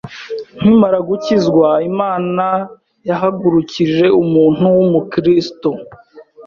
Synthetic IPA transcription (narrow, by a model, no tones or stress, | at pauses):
n̥imaɾaɡucizɡwaimaːna | jaɦaɡuɾuciʒe̞umuːn̥uwumukɾisto